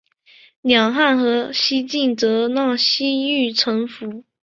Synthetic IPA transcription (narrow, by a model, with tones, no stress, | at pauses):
njɑ˨˩ŋxa˥˩nxɤ˧˥ɕi˥t͡ɕi˥˩nt͡sɤ˧˥nɑ˥˩ɕi˥y˥˩ʈ͡ʂʰɤ˧˥ŋfu˧˥